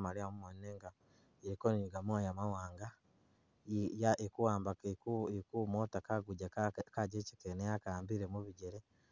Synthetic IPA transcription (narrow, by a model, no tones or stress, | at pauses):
maliamumonineːŋɡa | eɾikoniɲiɡamwajamawaːŋɡa | jaekuwaːmbakkekumoːtakaɡuɟakaɟeːci̥kenejakaːmbiɾemuβiɟeɾe